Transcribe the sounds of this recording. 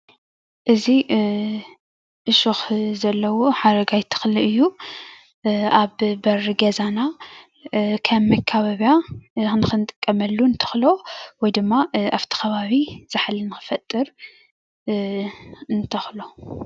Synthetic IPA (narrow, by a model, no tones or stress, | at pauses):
ʔɨzi | ʔɨʃuxzɐlːɐwoħaɾɐɡajt̪ʰɨ̥xliɨjːu | aβbɐrɨɡɐzana | kʰɐmmːɐkʰaβaβjanɨxɨnɨt̪ʼɨkʼːɐmɐlːuɨnt̪ʰɐ̥xlo̞wɔjd̪ɨmːaʔaβt̪ʰi̥xɐβaβiz̥ɨħlɨnɨxɨ̥fɐt̪ʼːɨɾ | ɨnt̪ʰɐxlo̞